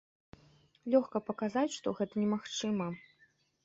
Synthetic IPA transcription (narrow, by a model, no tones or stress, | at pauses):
lʲɔxkɐpɐkazat͡sʲʂt̪ɔɣɛt̪ɐnʲɛmaxt͡ʂɨmɐ